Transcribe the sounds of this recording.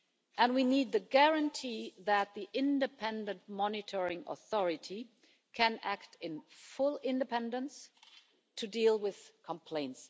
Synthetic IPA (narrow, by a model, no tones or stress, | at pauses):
ʔɨ̃nwinid̪̚ðɨɡæɹə̃ntʰiðɨt̪̚ðiʔɪ̃ndɨpʰɛ̃ndɨ̃ntmɑnɪtʰəɹɪ̃ŋʔə̰θɔɹɨtʰi | kʰɨ̃næktɪ̃nfʊlˠɪ̃ndɨpʰɛ̃ndə̃ns | tʰɨdilˠwɪð̥kʰə̃mpʰl̥ẽɪ̃nts